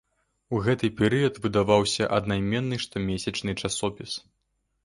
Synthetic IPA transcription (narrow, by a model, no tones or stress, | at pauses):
uɣɛt̪ɨpʲɛɾɨjɐt̪vɨd̪avawsʲɐʔɐd̪najmʲɛnːɨʂt̪ɔmʲesʲɐt͡ʂnɨt͡ʂasɔpʲis